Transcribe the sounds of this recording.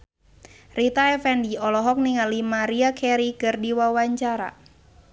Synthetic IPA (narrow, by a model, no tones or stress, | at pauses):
rit̪aɛfɛndiɔlɔɦɔk̚niŋalimaɾiakʰɛɾikɨrdiwawaɲt͡ʃaɾa̰